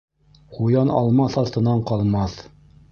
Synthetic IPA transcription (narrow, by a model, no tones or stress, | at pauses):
qujɑnɑ̰lˠmɑθɑlt̪ɤ̆nɑɴqɑlˠmɑθ